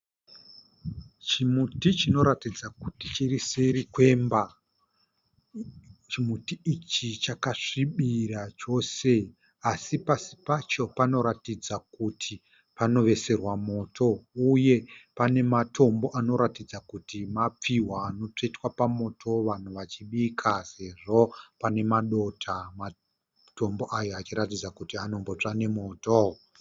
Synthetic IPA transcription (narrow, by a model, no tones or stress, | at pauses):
t͡ʃimutit͡ʃino̞ɾatid͡zakutit͡ʃiriseɾikwe̞mba | t͡ʃimutiːt͡ʃit͡ʃakaʂiɓiɾat͡ʃo̞se̞ | asipasi̥pat͡ʃo̞pano̞ɾatid͡zakutʰi | pano̞ʋe̞se̞rwamo̞ːtʰo̞uje̞pane̞matʰo̞mbo̞ʔano̞ɾatid͡zakutimap͡fiwaːno̞t͡ʂetwapamo̞tʰo̞ʋan̤uʋat͡ʃiɓikʰase̞ʐo̞pane̞maɗo̞tʰama | to̞mbo̞ʔajoat͡ʃiɾatid͡zakutiano̞mbo̞t͡ʂane̞moto